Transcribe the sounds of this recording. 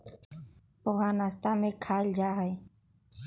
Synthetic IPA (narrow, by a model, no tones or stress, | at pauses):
poɦaːnast̪amẽkʰaːld͡ʒaːɦəe